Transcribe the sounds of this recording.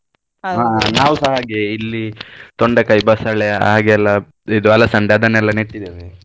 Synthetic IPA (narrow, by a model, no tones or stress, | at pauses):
ɦaːnaːʋusɐɦaːɡeilːit̪oɳɖɐkɐjbaːsɐɭḛɦaːɡeɛlːɐ | id̪uʋɐlɐsɐɳɖaːd̪ɐnɛlːɐniʈːid̪eʋe